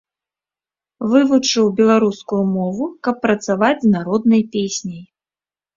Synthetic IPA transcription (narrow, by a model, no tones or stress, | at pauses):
vɨvut͡ʂɨwbʲɛlˠaɾuskujumɔvukɐpːɾɐt̪savad͡zʲznaɾɔd̪̚nɐjpʲesʲnʲɐj